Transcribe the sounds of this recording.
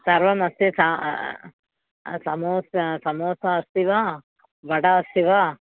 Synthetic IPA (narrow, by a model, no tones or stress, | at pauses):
sɐɾʋɐmɐst̪isa | sɐmoːssɐmoːsɐːst̪iʋɐ | ʋɐɽɐːst̪iʋɐ